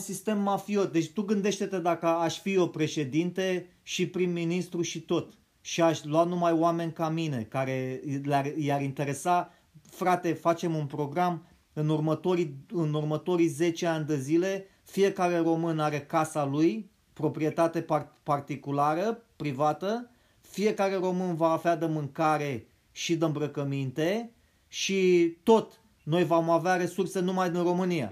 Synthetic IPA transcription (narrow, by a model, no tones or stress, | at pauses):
unsist̪e̞mːafio̞t̪̚d̪e̞t͡ʃʲt̪uɡɨnd̪e̞ʃt̪e̞t̪e̞d̪akəaʃʲfio̞pɾe̞ʃe̞d̪int̪e̞ | ʃipɾimːinist̪ɾuʃit̪o̞t̪ | ʃiaʃʲluat̪̚numajoame̞nʲkamine̞kaɾe̞learjaɾint̪e̞ɾe̞sa | fɾat̪e̞fat͡ʃe̞munpɾo̞ɡɾam | ɨnurmət̪o̞ɾiɨnurmət̪o̞ɾijze̞t͡ʃeanʲd̪ezile̞ | fije̞kaɾe̞ɾo̞mɨnaɾe̞kasaluj | pɾo̞pɾie̞t̪at̪e̞parpart̪ikulaɾəpɾivat̪ə | fije̞kaɾe̞ɾo̞mɨnvaːvad̪əmɨŋkaɾe̞ | ʃid̪əɨmbɾəkəmint̪e̞ | ʃit̪o̞t̪ | no̞jvomaveaɾe̞surse̞numajd̪inro̞mɨnija̰